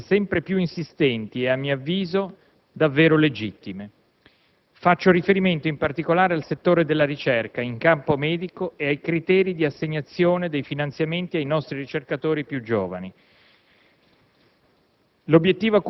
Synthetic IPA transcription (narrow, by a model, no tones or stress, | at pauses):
sɛmpɾepjuinsist̪ɛnt̪ieamːioavːiːzo | d̪avːeːɾoled͡ʒit̪ːime | fat͡ʃːoɾifeɾiment̪oimpart̪ikolaːɾealset̪ːoːɾed̪elːaɾit͡ʃɛrkaiŋkampomɛːd̪ikoeajkɾit̪ɛːɾid̪iasːeɲːat̪sːjoːned̪ejfinant̪sjament̪iajnɔst̪ɾiɾit͡ʃerkat̪oːɾipjud͡ʒo̰ːva̰ni | lobːjet̪ːiːvoak